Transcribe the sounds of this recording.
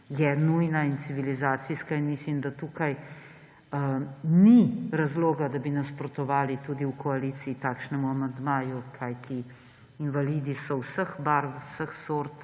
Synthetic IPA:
jɛnujnaint̪siʋilizaːt̪siskainmislimd̪at̪uːkaj | niɾazloːɡad̪abinaspɾɔt̪ɔʋaːlit̪uːd̪iuwkʰɔaliːt̪siːt̪aːkʃnɛmuamand̪maːjukʰajt̪iː | nʋaliːd̪isɔwsəxbaɾsəxsoːɾt̪

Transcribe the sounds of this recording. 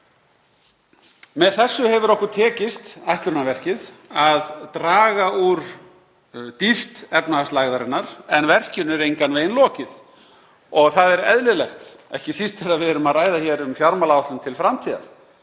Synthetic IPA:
mɛðθɛsːʏhɛvʏɾɔhkʏ̥t̪ʰɛːcɪst̪ajht̪ʏɾnavɛr̥cɪðaðt̪ɾaːɣauɾ̥ | t̪ift̪ɛpnaast̪laɣðaɾɪnːaɾ̥ɛnvɛr̥cʏnʏɾejŋkanveːjnlɔːcɪð | ɔɣθaðɛɾɛðlɪlɛxt̪ɛ̰hcɪsist̪ɛɾaðvɪɛɾʏmaðraːjðaçɛːɾʏmfjaɾmalaawht̪lʏmt̪ʰɪlfɾamt̪ʰiːða̰ɾ

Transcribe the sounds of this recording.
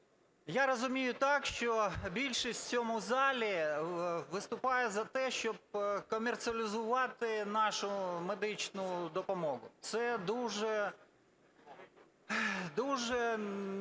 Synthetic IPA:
jaɾɔzʊmʲijʊt̪ɑkʃt͡ʃɔbʲilʲʃisʲt͡sʲɔmʊzɑlʲi | ʋɪst̪ʊpɑjɛzɐt̪ɛʃt͡ʃɔb̚kɔmʲert̪sɨɐlʲɪzʊʋɑt̪ɪnɑʃʊmed̪ɪt͡ʃnʊd̪ɔpɔmɔɦʊ̰t̪sɛd̪uʒɛ | d̪uʒɛ

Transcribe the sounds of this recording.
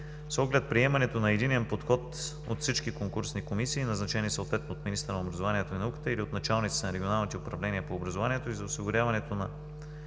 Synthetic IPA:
sɔɡlɛt̪̚pɾiɛmɐnɛt̪onɐɛd̪inɛnpot̪xɔt̪ | o̰t̪fsit͡ʃkikoŋkuɾsnikomisiːnɐznɐt͡ʃɛniːsəot̪vɛt̪not̪minist̪ɾənobɾɐzovaniɛt̪oinɐukə̥t̪əiliot̪nɐt͡ʃalˠnit̪si̥t̪ɛnɐɾɛɡʲionalˠnit̪ɛʊpɾɐvlɛniəpoːbɾɐzovaniɛt̪oizɐʊsiɡʊɾʲavɐnɛt̪onɐ

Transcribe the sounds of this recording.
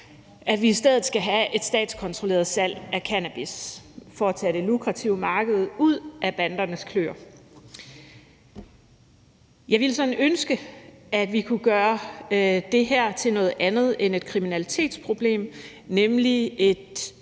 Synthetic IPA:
ʔæd̥ʋiisd̥eð̞̰̩ˠsɡ̥æɦæʔe̝d̥sd̥ɛ̰ːd̥skʰɒ̽nt͡sʰʁo̝le̝̰ːɐð̩ˠsæl̰ʔækʰænæb̥isfɒæt͡sʰæɾ̥e̝lukʰʁɑt͡sʰiʊmɑ̈ːɡ̥əð̞̩ˠuð̰ˠʔæb̥ænd̥ɐnəskʰlø̰ːɐ | jɑ̈ɪʋiləsɒ̽nønsɡ̥əæd̥ʋikʰuɡ̥ɶːɐ | d̥e̝ɦæɐ̰t͡sʰe̝lnɔ̽ːð̞̩ˠʔænð̞̩ˠene̝d̥̚kʰʁiminælit͡sʰe̝̰ːd̥spʰʁo̝b̥le̝̰ːmnemlie̝d̥

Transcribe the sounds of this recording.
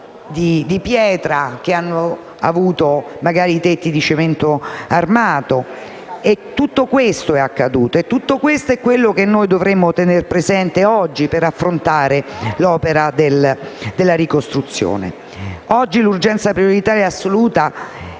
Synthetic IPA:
d̪id̪ipjɛːt̪ɾak̟eanːo | a̰vuːt̪omaɡaːɾit̪et̪ːid̪it͡ʃement̪oarmaːt̪o | et̪ːut̪ːokwest̪oɛakːad̪uːt̪oet̪ːut̪ːokwest̪oɛkːwelːok̟enːoːjd̪ovɾemːot̪enerpɾezɛnt̪eɔd͡ʒːipeɾafːɾont̪aːɾelɔːpeɾad̪eld̪elːaɾikost̪ɾut̪sːjo̰ːnḛ | ɔd͡ʒːilurd͡ʒɛnt̪sapɾioɾit̪aːɾjaasːoluːt̪a

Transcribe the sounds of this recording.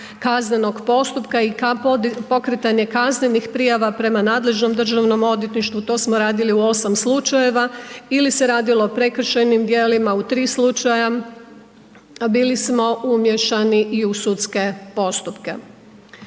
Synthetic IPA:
kazneno̞ɡpo̞st̪upkaikapo̞kɾet̪aɲe̞kazne̞nixpɾijaʋapɾe̞manaːd̪le̞ʒno̞md̪r̩ʒaʋno̞mo̞d̪jet̪niʃt̪ʋut̪o̞smo̞ɾaːd̪iliuo̞samslut͡ʃaje̞ʋailise̞ɾaːd̪ilo̞ːpɾe̞kr̩ʃenimd̪jeːlimaut̪ɾiːslut͡ʃaja | biːlismo̞ʔumje̞ʃaniʔiusut̪ske̞po̞st̪upke̞̰

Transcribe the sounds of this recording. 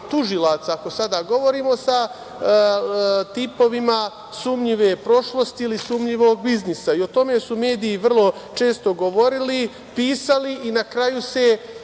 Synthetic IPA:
t̪uʒilˠaːt̪saːko̞sad̪aːɡo̞ʋo̞ɾiːmo̞sa | t̪ipo̞ʋima | suːmɲiʋepɾo̞ʃlˠo̞st̪iilisuːmʎiʋo̞ːɡ̚biznisaio̞t̪o̞me̞sume̞ːd̪iːʋr̩lˠo̞t͡ʃe̞ːst̪o̞ɡo̞ʋo̞ɾili | piːsaliːnakɾajuse̞

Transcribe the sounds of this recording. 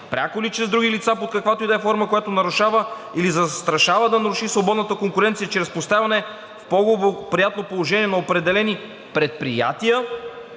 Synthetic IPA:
pɾʲa̰kolit͡ʃɾɛzd̪ɾuɡilit̪sapot̪kɐkvat̪oid̪ɛfɔɾməkojat̪onɐɾuʃavə | ilizɐst̪ɾɐʃavəd̪ɐnɐɾuʃisvobɔd̪nət̪əkoŋkʊɾɛnt̪sijət͡ʃɾɛspost̪avɐnɛ | fpɔɡopɾijat̪nopolˠoʒɛniɛnɐopɾɛd̪ɛlɛni | pɾɛt̪̚pɾija̰t̪ijə

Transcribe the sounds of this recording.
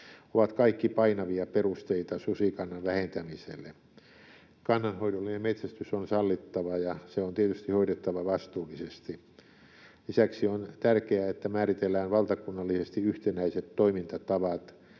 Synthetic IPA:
oʋɑt̪kɑikːipɑinɑʋiɑperust̪eit̪ɑsusikɑnːɑnʋæhent̪æmisḛlːe | kɑnːɑnhoidolːinemmet̪sæst̪ysonsɑlːit̪ːɑʋɑjɑseont̪iet̪yst̪ihoiɾet̪ːɑʋɑʋɑst̪uːlːˑisest̪i | lisæksiont̪ærkeæet̪ːæmæːrit̪elːæːnʋɑlt̪ɑkunːɑlːisest̪iyht̪enæiset̪toimint̪ɑt̪ɑʋɑt̪

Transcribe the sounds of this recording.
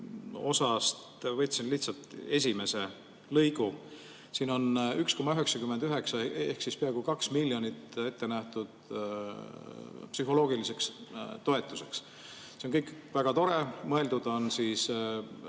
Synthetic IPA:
o̞sɑst̪vɤjt̪ʲːˑsinliht̪sɑlt̪e̞s̬ʲime̞se̞ | lɤjɡu | siːno̞nyksko̞mɑyɦe̞ksɑkymːed̪̥yɦe̞ksɑḛhksispieɑɡ̥ukɑksmilʲːjo̞nʲit̪e̞t̪ːe̞næht̪ud̪̥ | psyɦo̞lo̞ːɡ̥ilise̞kst̪o̞e̞t̪ːˑu̥se̞ks | seonkɤjkvæɡ̥ɑt̪o̞ɾe̞mɤe̞ld̪ud̪̥o̞nsis

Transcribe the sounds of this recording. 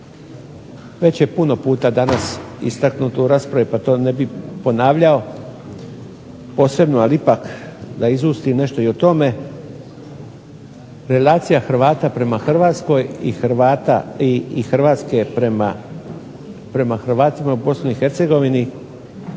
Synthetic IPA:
ʋe̞t͡ɕje̞puno̞puːt̪ad̪anasḭst̪aknut̪uuɾaːspɾaʋipat̪o̞ːnebipo̞naːʋʎao̞ | po̞ːsɾe̞bnoaliipakd̪aizust̪ine̞ʃt̪o̞iot̪o̞me̞ | ɾe̞laːt̪sijaxɾ̩ʋaːt̪apɾe̞maxr̩ʋaːt̪sko̞jixɾʋat̪a̰iixɾ̩ʋaːt̪ske̞p | pɾe̞maxrʋaːt̪imaubo̞snuixe̞ɾt̪se̞ɡo̞ʋini

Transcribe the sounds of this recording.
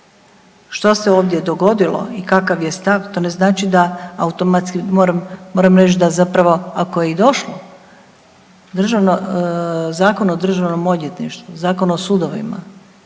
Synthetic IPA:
ʃt̪ose̞oːʋd̪je̞d̪o̞ɡo̞d̪ilo̞̰ikakaʋje̞st̪aʋt̪o̞neznaːt͡ʃid̪aaut̪omat̪skimoɾamːoɾamɾet͡ʃd̪azapɾaʋo̞akojeid̪o̞ʃlo | d̪r̩ʒaʋno | zaːko̞nod̪r̩ʒaʋnomod̪jet̪niʃt̪ʋuzaːkonuosud̪oʋḭma̰

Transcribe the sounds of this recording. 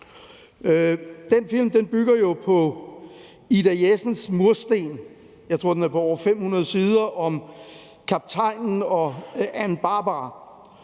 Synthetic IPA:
d̥enfil̰md̥enb̥yɡ̥ɐjo̝pʰɒ̽ | id̥æesn̩smuɐsd̥e̝̰ːn | jɑ̈ɪt͡sʰʁo̝ɐ̰d̥enæɐpʰɒ̽ɒʊ̰ɐfem̰hunɐð̞̩ˠəsiːð̞ˠɐʔɒ̽m | kʰɑ̈b̥̚t͡sʰɑ̈ɪ̰nn̩ɒ̽ænb̥ɑ̈ːb̥

